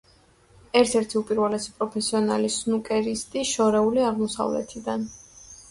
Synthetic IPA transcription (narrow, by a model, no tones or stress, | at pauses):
ɛɾt̪ʰɛɾt̪ʰiupʼiɾwɛlɛsi̥pʼɾɔpʰɛsiɔna̰lisnukʼɛɾist̪ʼiʃɔɾɛuliaʁmɔsa̰vlɛ̰t̪ʰid̪an